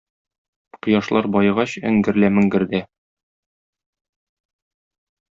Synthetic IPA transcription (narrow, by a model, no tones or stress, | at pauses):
qɤ̆jɑʃlˠɑɾbɒjɤ̆ʁɑɕɘ̰̆ŋɡɘ̆ɾlæmɘ̆ŋɡɘ̆ɾd̪æ